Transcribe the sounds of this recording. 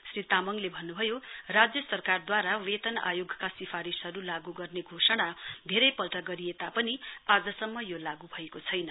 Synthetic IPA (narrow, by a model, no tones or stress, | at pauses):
srit̪amʌŋlebʱʌnːubʱʌjorad͡zjʌsʌrkard̪waɾawet̪ʌna̰joɡʱkasipʰaɾisɦʌɾulaɡuɡʌrneɡʱosʌɽ̃ad̪ʱeɾʌjpʌlʈʌɡʌɾiet̪apʌniad͡zʌsʌmːʌjolaɡubʱʌekot͡sʰʌjnʌ